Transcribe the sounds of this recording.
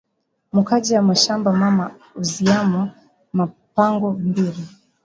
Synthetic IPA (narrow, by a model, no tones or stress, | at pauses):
mukad͡ʒiamaʃambamama | uziama | ma | paŋɡɔmbiɾi